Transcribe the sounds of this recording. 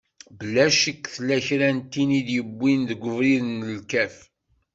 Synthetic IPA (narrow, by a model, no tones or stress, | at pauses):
bəlːæʃəkːθlæçɾænt̪ːinid̪jəbːinðəɡʷːəvɾiðənəlkæf